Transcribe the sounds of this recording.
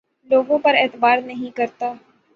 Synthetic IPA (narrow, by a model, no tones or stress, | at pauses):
loːɡõpɐɾeːt̪baːɾnɐɦĩkɐɾt̪aː